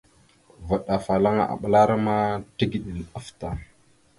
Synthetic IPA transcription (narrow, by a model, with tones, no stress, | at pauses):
va˨ɗa˨fa˨la˦ŋa̰˦ʔa̰˨ɓə˦la˦ɾa˦ma˦ti˦ɡi˨ɗi˨n˨a˦fta˨